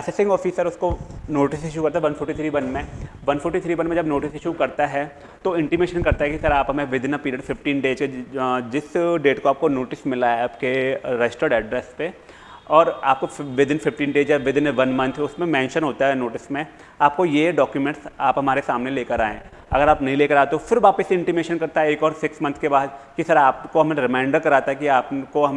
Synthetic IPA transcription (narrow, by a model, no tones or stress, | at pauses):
ɛsɛsɪ̃ŋɡɔːfɪsəɾʊskonoːʈɪsɪʃ̬ukɐɾt̪aɦɛʋɐ̃nfʰʊɾʈit̪ʰɾiːʋɐnmẽ | ʋɐ̃nfʰʊʈːit̪ʰɾiːʋɐ̃nmẽd͡ʒɐbnoːʈɪsɪʃukɐɾt̪aɦɛ | t̪oɪ̃ɳʈimeːʃənkɐɾt̪aɦɛkisɐɾaːpɦɐmẽʋɪd̪ʱɪnapiːɾəɖfɪfʈĩːnɖeːd͡ʒked͡ʒɪsɖeːʈkoaːp̚konoːʈɪsmɪlaːɛaːpkeɾɛsʈoɾɖɛɖɾɛspe | ɔːɾaːp̚koʋɪd̪ʱɪnfɪfʈiːnɖeːd͡ʒjaʋɪd̪ʱɪnʋɐnmɐ̃nt̪ʰʊsmẽmɛ̃ːnʃənɦoːt̪aɦɛnoːʈɪsmẽ | aːp̚kojeɖɔːkjumẽɳʈsaːpɦɐmaːɾesaːmneleːkəɾaːḛ̃ː | ɐ̰ɡəɾaːpnɐɦĩleːkəɾaːet̪ofɪɾʋaːpəseɪ̃ɳʈɪmeːʃənkɐɾt̪aɦɛeːkɔːɾsɪksmɐ̃nt̪ʰkebaːd̪kisɐɾaːpkoɦɐmeɾɪmãɪ̃ɳɖəɾkɐɾaːt̪aɦɛkiaːpkoɦɐ